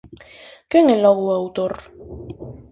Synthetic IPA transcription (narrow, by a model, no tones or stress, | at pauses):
keŋelaɣoawt̪oɾ